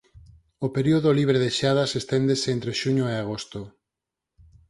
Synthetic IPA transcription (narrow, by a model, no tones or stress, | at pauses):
opeɾioðoliβ̞ɾeðeʃað̞asest̪end̪eseent̪ɾeʃuɲoeaɣ̞ost̪o